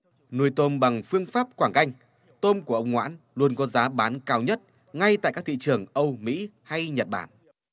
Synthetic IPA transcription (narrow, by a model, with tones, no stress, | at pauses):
nu˧˩əjt̪o˧mɓa˨˩ŋfɨ˧əŋfaː˦˥p̚kwaː˧˩ŋka˧jŋ̟ | t̪o˧mku˧˩əʔə˧wŋ͡mŋwa̰ː˧˥n | lu˧ənkɔ˨˦zaː˨˦ɓaː˨˦nkaː˧wɲə˦˥t̚ | ŋa˧jt̪a̰ː˧˨jkaː˦˥k̚t̪ʰḭ˧˨t͡ɕɨ˨˩əŋʔə˧wmḭ˧˥ha˧jɲə˨˩t̚ɓaː˧˩n